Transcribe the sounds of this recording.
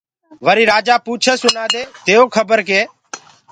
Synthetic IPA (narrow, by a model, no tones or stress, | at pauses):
ʋəɾiːɾaːd͡ʒaːpuːt͡ʃʰeːsʊnaːd̪eːt̪eːoːkʰəbəɾkeː